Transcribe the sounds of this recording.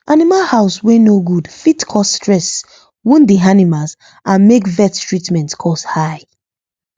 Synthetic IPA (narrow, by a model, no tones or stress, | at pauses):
ʔanimalhaʊswenoɡudfitkʰɔsːtɹɛs | wĩndianimalz | ʔãnmekvɛttʰɹitmɛ̃ntkʰɔshaɪ